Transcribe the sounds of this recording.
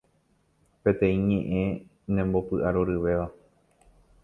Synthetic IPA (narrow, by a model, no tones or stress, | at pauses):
pe̞t̪ẽ̞ĩɲẽ̞ʔẽ̞ | nẽmbo̞pɨʔaɾoɾɨʋe̞ʋa